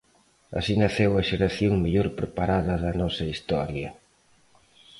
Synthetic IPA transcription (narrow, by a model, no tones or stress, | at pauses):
ɐ̰sinɐθewɐʃeɾɐθjoŋmeʎoɾpɾepaɾaðɐðɐnɔsɐist̪ɔɾjɐ